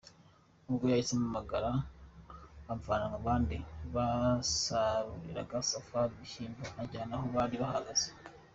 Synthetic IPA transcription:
uβɡojahisemumaɡaɾa | amfanaŋaβaːndiβasaɾuɾḭɾa̰ɡasafaɾiβiʃiːmbaaɟanahoβaɾiβahaɡaz̥e̥

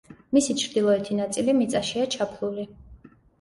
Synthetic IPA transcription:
misit͡ʃʰɾd̪ilˠɔɛt̪ʰinat̪sʼilimit̪sʼaʃiat͡ʃʰapʰlˠuli

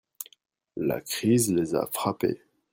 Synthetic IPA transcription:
la̰kχizleza̰fχapḛ

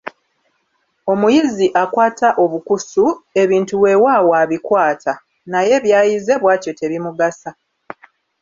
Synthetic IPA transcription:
o̞mujiziʔakwaːtaʔo̞βukusue̞βiːntuwe̞waːwaβikwaːtʰa | naje̞βjaːjize̞βwaːco̞te̞βimuɡasa

